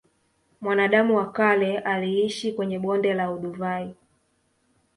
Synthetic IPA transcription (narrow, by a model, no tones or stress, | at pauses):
mwanaɗamuwakalɛʔaliiʃikwɛɲɛɓɔndɛlauɗuvai